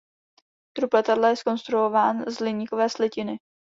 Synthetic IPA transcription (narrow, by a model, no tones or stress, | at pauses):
t̪ɾuplɛt̪adlajɛsko̞nst̪ɾuovaːnzlɪɲikovɛːslɛcɪnɪ